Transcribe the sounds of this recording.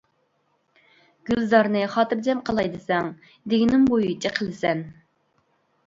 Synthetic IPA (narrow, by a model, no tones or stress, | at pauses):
ɡ̥ʲylzɑɾnɨχɑːt̪ɨɾd͡ʒɛmqʰɑlˠɑjd̪ɨsɛŋ | d̪eɡʲinɪŋbojut͡ʃʰɪqʰəlˠɪsɛn